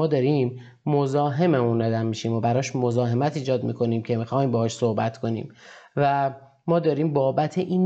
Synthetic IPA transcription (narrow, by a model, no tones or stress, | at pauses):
ɒːd̪ɒːɾiːmː | o̞zɒːɦe̞memund̪ɒd̪æmːiʃimobæɾɒːʃmozɒːɦe̞mæt̪iːd͡ʒɒːd̪mḭkʰo̞niːmcʰe̞mixɒːimbɒːhɒːʃso̞hbæt̪kʰo̞nḭːmvæ | mɒːd̪ɒːɾiːmbɒːbæt̪ʰeʔiːn